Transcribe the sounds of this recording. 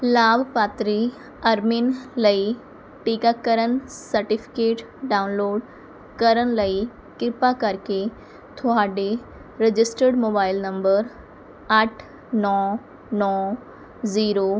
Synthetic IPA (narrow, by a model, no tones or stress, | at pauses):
labpat̪ɾi | əɾminləi | ʈikakəɾənsəɾʈifi̥keːʈ | ɖanloːɽ | kəɾənləi | kiɾpakaɾke | t̪ʰoɦaɖe | ɾed͡ʑisʈəɾɖmobailnəmbəɾ | aʈʰ | nɔ | nɔ | ziːɾo